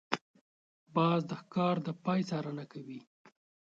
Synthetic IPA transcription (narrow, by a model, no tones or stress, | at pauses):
bɑzd̪əxkɑɾd̪əpɑjsɑɾənakawi